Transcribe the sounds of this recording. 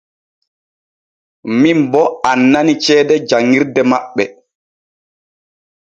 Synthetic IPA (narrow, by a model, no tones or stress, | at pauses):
mimbɔanːanit͡ʃɛːdɛd͡ʒaŋːiɾdɛmaɓːɛ